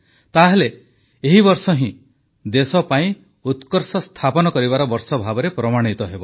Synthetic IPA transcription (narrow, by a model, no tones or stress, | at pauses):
t̪aɦele | eɦibɔɾsɔɦĩ | d̪esɔpaĩ | ut̪kɔɾsɔst̪ʰapɔnɔkɔɾibaɾɔbɔɾsɔbʱabɔɾepɾɔmaɽ̃it̪ɔɦebɔ